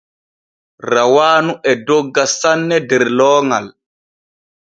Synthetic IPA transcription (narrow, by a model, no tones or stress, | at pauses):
rawaːnuʔɛdɔɡːasanːɛdɛɾlɔːŋal